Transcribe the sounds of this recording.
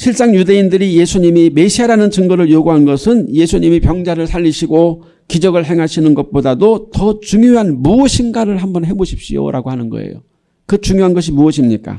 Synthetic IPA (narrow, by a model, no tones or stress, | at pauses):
ɕʰiɭs͈aŋjude̞indɯɾije̞sʰuɲimimeɕʰiaɾanɯnt͡ɕɯŋɡʌɾɯɭjoɡuɦanɡʌsʰɯnje̞sʰuɲimipjʌŋd͡ʑaɾɯɭsʰaʎːiɕʰiɡo | kid͡ʑʌɡɯɭɦe̞ŋɦaɕʰinɯnɡʌt̚p͈odadotʌt͡ɕuŋjoɦanmuʌɕʰinɡaɾɯɭhambʌnɦe̞boɕʰi̥p̚ɕ͈ijo̰ɾʔaɡoɦanɯnɡʌ̰ḛjo̰ | kɯt͡ɕuŋjoɦanɡʌɕ̬ʰimuʌɕʰimɲik͈a̰